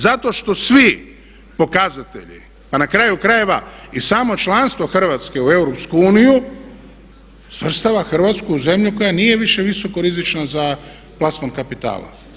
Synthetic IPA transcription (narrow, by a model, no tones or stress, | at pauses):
zat̪o̞ʃt̪o̞sʋi | po̞kazat̪e̞̰ʎḭ | panakɾajukɾaje̞ʋaisaːmo̞t͡ʃlˠanst̪ʋo̞xr̩ʋaːt̪ske̞ue̞wɾo̞pskuuːniju | sʋr̩st̪aʋaxr̩ʋat̪skuuze̞mʎuko̞janije̞ʋiʃe̞ʋiso̞ko̞ɾizit͡ʃnaza | plˠasmonkapit̪a̰ːlˠa̰